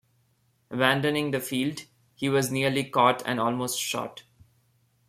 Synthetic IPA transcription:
əbæ̃nɖənɪ̃ŋd̪əfiːlɖ | hiːʋɔzniəɾlikɔːʈʰɛ̰̃nɔːlmoːsʈʃɔ̰ːʈ

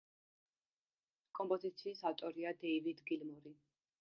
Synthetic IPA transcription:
kʼɔmpʼɔzit̪sʰiːsaft̪ʼɔɾiad̪ɛjvid̪ɡilmɔɾi

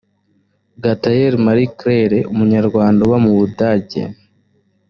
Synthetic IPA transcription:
ɡatajeɾmaɾikɾeɾeumuɲaɾɡwaːndawamuβudaɟe̞̰

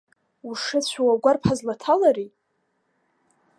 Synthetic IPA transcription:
uʂɪt͡ɕʷʰawaɡʷarpʰazlatʰalaɾi

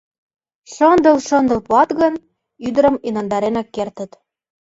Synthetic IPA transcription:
ʃɤnd̪ɤ̆lʃɤ̆nd̪ɤ̆lpuɑt̪ɣə̆n | yd̪ə̆ɾə̆minɑnd̪ɑɾenɑkːert̪ə̆t̪

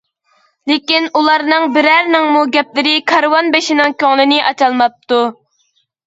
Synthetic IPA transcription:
lekʲinulˠɑɾnɨŋbɪɾæɾnɪŋmuɡʲɛp̚lɪɾɪkʰɑɾwɑnbeʃinɪŋkʲøŋlˠɨnɪʔɑt͡ʃɑlˠmɑp̚t̪ʰu

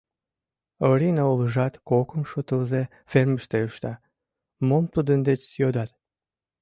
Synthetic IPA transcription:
oɾinɑoləʒɑt̪kokəmʃot̪əlze | ferməʃt̪euʃt̪ɑ | momt̪ud̪ənd̪et͡ʃjod̪ɑt̪̚

